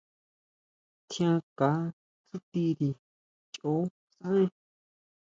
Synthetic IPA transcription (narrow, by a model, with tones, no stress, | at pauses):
t̪ʰj̃ã˧ka˨˦ | t͡su˦t̪i˧ɾi˧ | t͡ʃʔo˨˦ | sã˦ẽ˦